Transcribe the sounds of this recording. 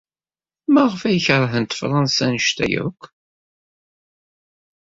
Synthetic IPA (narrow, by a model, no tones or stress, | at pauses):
mæʁəfæjəçəɾˤɦənt̪fɾˤɑnsænəʃt̪æ̰jʊ̰kʷː